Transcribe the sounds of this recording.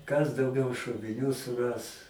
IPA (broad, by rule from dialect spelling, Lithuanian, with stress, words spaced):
kɐs dɐʊˈɡʲɛʊ ʃoːʋʲɪˈnʲuː sʊˈrɐs